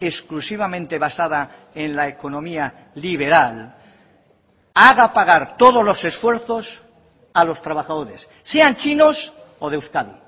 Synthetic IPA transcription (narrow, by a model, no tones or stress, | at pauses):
e̞sklusiβ̞amẽ̞nt̪e̞β̞asaða | e̞nlaeko̞nõ̞mia | liβ̞e̞ɾal | aɣapaɣ̞aɾt̪o̞ð̞o̞zlo̞se̞sfwe̞ɾθo̞s | alo̞st̪ɾaβ̞axað̞o̞ɾe̞sːe̞ant͡ʃinos | oðewskaðḭ